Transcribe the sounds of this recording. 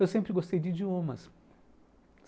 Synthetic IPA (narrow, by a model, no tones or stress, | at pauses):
ewsẽmpɾɪɡost̪ejd͡ʒɪd͡ʒiõmɐs